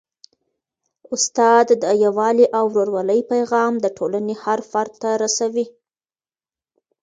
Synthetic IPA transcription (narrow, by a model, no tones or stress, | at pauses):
ʊst̪ɑd̪ːəjawɑliʔawɾoɾwaləjpajɣɑmd̪əʈʰolanehaɾfaɾt̪t̪ːaɾasawi